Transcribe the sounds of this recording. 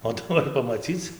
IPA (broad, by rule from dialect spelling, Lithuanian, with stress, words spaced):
oː ˈtʊ ˈnoːrʲɪ pɐmɐˈt͡sʲiːt͡s